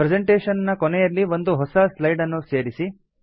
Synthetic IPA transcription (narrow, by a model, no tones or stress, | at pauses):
pɾed͡ʑeɳʈeːʂɐnɐnːɐkɔnɛjɐlːiʋo̞nd̪uɦɔsɐslɐjɖɐnːuse̞ːɾisi